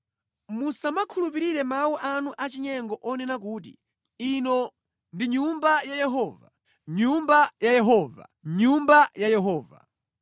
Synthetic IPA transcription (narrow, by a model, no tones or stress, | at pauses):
musamakʰulup̬iɾiɾɛmawɔʔanuʔat͡ʃiɲɛŋɡɔʔɔnɛnak̬uːtḭ | inɔ | ndiɲumbajajɛɦɔːva | ɲumbajajɛɦɔːva̰ɲumbajajɛɦɔːva̰